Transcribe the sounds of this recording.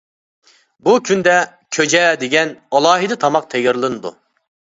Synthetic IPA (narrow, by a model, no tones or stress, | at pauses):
bukʲʰynd̪ɛ | kʲʰød͡ʒɛd̪eɡʲɛnɑlˠɑːɦɨd̪ɨt̪ʰɑmɑq̚t̪ʰɛɡʲɪɾlˠɨnɨd̪ṵ